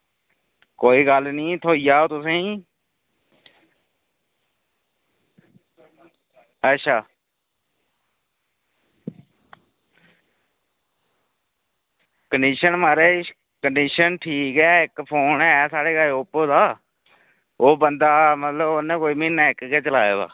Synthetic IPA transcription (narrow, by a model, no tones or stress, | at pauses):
koːiːɡəlnĩːt̪ʰoːijaːoːt̪ʊsẽː | ətːʃʰaː | kəɳɖiːʃənməɾeː | kəɳɖiːʃənʈʰiːkɡɪjaːɪkpʰoːnɛːsaːɽeːɡaːeʊpoːd̪aː | oːbənd̪aːmət̪ləbonẽːkoːiːmɪːnːaːɪkkeːt͡ʃəlaːeːd̪a̰ː